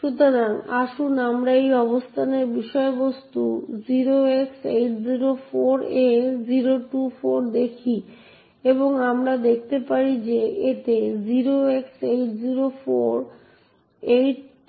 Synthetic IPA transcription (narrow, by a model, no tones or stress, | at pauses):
ʃut̪oɾaŋaʃunamɾaejɔbost̪ʰaneɾbiʃɔebost̪ud͡ʑiɾoeksejʈziɾofoɾeziɾoʈufoɾd̪ekʰi | eβoŋamɾad̪ek̚t̪epaɾid͡ʑeet̪ed͡ʑiɾoeksejʈ̚d͡ʑiɾofoɾ | ejʈ